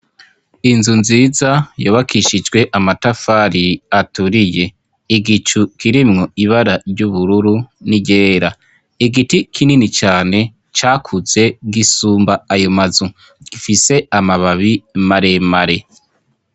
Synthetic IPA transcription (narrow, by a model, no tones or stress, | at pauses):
inzunziːzajoːβakʰiʃid͡ʒɡwe̞ʔamatafaɾiatuɾije̞ | iɡit͡ʃukʰiɾimŋo̞iβaɾaɾjɟuβuɾuɾuniɟeːɾa | iɡitikʰininit͡ʃaːne̞ | t͡ʃaːkʰuze̞ɡisuːmbaajomazu | ɡ̥ifise̞amaβaβimaɾe̞maɾe̞